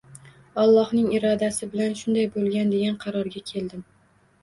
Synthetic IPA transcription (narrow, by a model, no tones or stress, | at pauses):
ɒlˠːɒhnɪŋɪɾɒd̪asɪbɪlanʃʊnd̪ajbolˠɡʲand̪e̞ɡʲanqʰɑɾɒɾɡʲakʲʰe̞ld̪ɪm